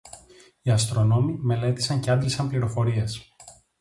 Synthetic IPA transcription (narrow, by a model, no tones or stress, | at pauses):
iɐst̪ɾo̞no̞mime̞le̞t̪i̥sɐɲceɐnd̪lisɐmpliɾo̞fo̞ɾie̞s